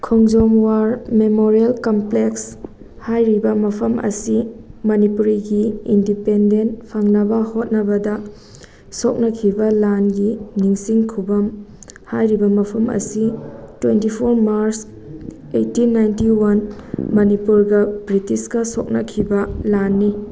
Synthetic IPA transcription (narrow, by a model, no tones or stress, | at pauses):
kʰoŋd͡ʒomwaɾmemoɾielkompleks | hajɾibɐmɐpʰɐmʔɐ̰simɐnipuɾiɡiindipendentpʰaŋnɐbɐhot̚nɐbɐdɐ | sok̚nɐkʰibɐlanɡiniŋsiŋkʰubɐmhajɾibɐmɐpʰɐmɐ̰sitwentipʰoɾmaɾs | ejtinːajntiwɐnmɐnipuɾɡɐbɾitiskɐso̰k̚nɐkʰibɐlanːi